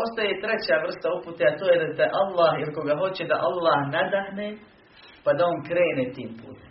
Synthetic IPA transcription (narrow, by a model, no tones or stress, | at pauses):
o̞st̪ajet̪ɾe̞t͡ɕaʋr̩st̪auput̪eat̪oːjed̪at̪eʔalːaːɦjeliko̞ɡaɦo̞t͡ɕed̪aʔalːaːhnad̪ahne | pad̪ao̞ŋkɾeːnet̪iːmpṵːt̪e